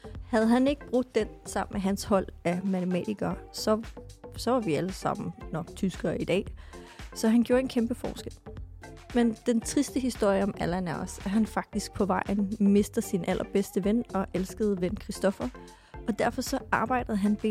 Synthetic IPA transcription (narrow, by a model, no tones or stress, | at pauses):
hæð̞̩ˠɦæne̝ɡ̥əb̥ʁɔɡ̥d̥ːensɑ̈m̰n̩meɦænshɒ̽l̰æmæt͡sʰemɛ̰d̥ʰiɡ̥ɐːsɒsɒ̽ʋɑ̈ʋiæləsɑ̈m̰n̩nɒɡ̥̚t͡sʰysɡ̥ɐːid̥ɛ̰ː | sɒ̽ɦænɡ̥jo̝ːɐe̝nkʰemb̥əfɒ̰ːsɡ̥el̰ | mend̥ent͡sʰʁisd̥əɦisd̥o̝ɐ̰jəɒ̽mælænæɒsæɐɦænfɑ̈ɡ̥̚d̥isɡ̥̚pʰɒ̽ʋɑ̈ɪ̰nme̝sd̥ð̩ˠsinʔæl̰ʔɐb̥esd̥əʋenɒ̽ʔelsɡ̥əð̞̩ˠʋenkʰʁisd̥ɒ̽fɐ | ɒ̽d̥æɐ̰fɒ̽sɒ̽ʔɑ̈ːb̥ɑ̈ɪ̰d̥əð̩ˠɦænbe